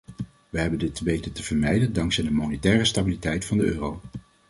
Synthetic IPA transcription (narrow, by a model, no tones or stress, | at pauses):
ʋəɦɛbəndɪtʋejtətəv̥əɹmɛjdəndɑŋksɛjdəmonetɛːrəstabilitɛjtfɑndəøːrow